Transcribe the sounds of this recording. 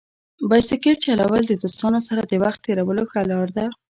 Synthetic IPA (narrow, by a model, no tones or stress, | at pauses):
bajsɪkeɾt͡ʃalawəld̪əd̪ost̪ɑnosaɾad̪əwaxt̪ːeɾawəloxalɑɾd̪a